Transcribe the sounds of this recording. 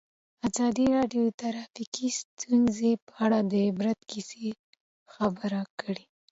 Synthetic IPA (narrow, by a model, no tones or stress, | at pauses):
azɑd̪iɾɑɖjot̪aɾɑfikist̪ʰunzepəaɽad̪əɪbɾat̪kise | xabəɾakəɽi